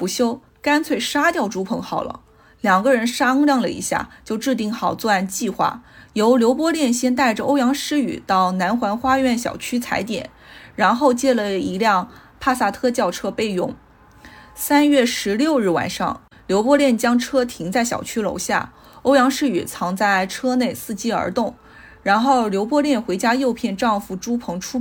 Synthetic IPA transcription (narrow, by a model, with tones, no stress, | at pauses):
pu˧˥ɕjo˥ʊ | ka˥nt͡sʰwe˥˩ɪʂa˥t̪jɑ˥˩ʊʈ͡ʂu˧˥pʰɤ˧˥ŋxɑ˨˩ʊlə̰˩˦ | ljɑ˨˩ŋɡə˦˧ɻə˧˥nʂa˥ŋljɑ˥˩ŋlə̰˩ḭ˧˥ɕja̰˥˩t͡ɕjo˥˧ʊʈ͡ʂɻ̩˥˧t̪̬i˥˩ŋxɑ˨˩ʊt͡swɔ˥˧a˥˧nt͡ɕi˥˧xwa̰˥˩jo˧˥ʊljo˧˥ʊpwɔ˥ljɛ˥˩nɕjɛ˥nt̪a˥˩ɪʈ͡ʂə˩ʔo˥ʊjɑ˧˥ŋʂɻ̩˥y̰˨˩t̪ɑ˥˩ʊna˧˥nxwa˧˥nxwa˥ɥɛ˥˩nɕjɑ̰˨˩ʊt͡ɕʰy˥t͡sʰa̰˧˥ɪt̪jɛ̰˨˩˦n | ɻa˧˥nxo˥˧ʊt͡ɕjɛ˥˩lə˨˩i˧˥ljɑ˥˧ŋpʰa˥˧sa˥˩t̪ʰɤ˥t͡ɕjɑ˥˩ʊʈ͡ʂʰɤ˥pe˥˧ɪjʊ˥˩ŋ | sa˥nɥɛ˥˩ʂɻ̩˧˥ljo˥˧ʊɻ̩˥˩wa̰˨˩nʂɑ̰˥˩ŋ | ljo˧˥ʊpwɔ˥ljɛ˥˩nt͡ɕjɑ˥ŋʈ͡ʂʰɤ˥t̪ʰi˧˥ŋt͡sa˥˩ɪɕjɑ̰˨˩ʊt͡ɕʰy˥lo̰˧˥ʊɕja̰˥˩ | o˥ʊjɑ˧˥ŋʂɻ̩˥y̰˨˩t͡sʰɑ˧˥ŋt͡sa˥˩ɪʈ͡ʂʰɤ˥ne˥˩ɪsɹ̩˥˩t͡ɕi˥˩ə̰˞˧˥t̪ʊ˥˩ŋ | ɻa˧˥nxo˥˩ʊljo˧˥ʊpwɔ˥ljɛ˥˩nxwe˧˥ɪt͡ɕja˥jo˥˧ʊpʰjɛ˥˧nʈ͡ʂɑ˥˧ŋfu˥˩ʈ͡ʂu˥pʰɤ˧˥ŋʈ͡ʂʰu˥